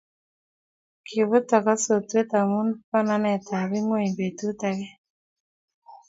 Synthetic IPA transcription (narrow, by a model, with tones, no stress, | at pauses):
kʰi˨βʊ˦tɔ˨ka˦so˨twe˦t̪a˨mu˦npa˦na˦nɛ˨t̪a˨ɾi˦ŋo˦i˨be˨tu˦t̪a˨kɛ˦